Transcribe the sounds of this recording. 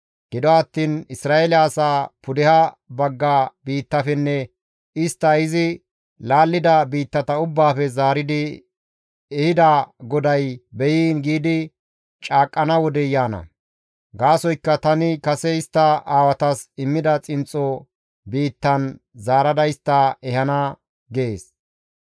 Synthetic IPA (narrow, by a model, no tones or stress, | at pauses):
ɡ̥ɪd̪ɔɐt̪ːiːnɪsɾaːɛlɪasaːpʊd̪ɛhɐbɐɡːabiːt̪ːɐfɛnːɛ | ɪst̪ːɐɪzɪ | laːlːɪd̪ɐbiːt̪ːɐt̪ɐʊbːaːfɛzaːɾɪd̪ɪ | ɛhɪd̪aɡɔd̪ɐjbɛjiːnɡiːd̪ɪ | t͡ʃʼaːkʼːɐnɐwɔd̪ɛjaːnɐ̰ | ɡaːsɔjkːɐt̪ɐnɪkɐsɛɪst̪ːɐaːwɐt̪ɐsɪmːɪd̪ɐt͡sʼɪnt͡sʼːɔ | biːt̪ːɐn | zaːɾɐd̪ɐjst̪ːɐɛhɐnɐ | ɡeːs